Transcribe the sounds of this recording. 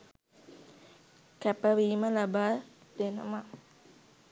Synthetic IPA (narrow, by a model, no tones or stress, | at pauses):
kæpəʋiːməlabaːd̪̥enə̰ma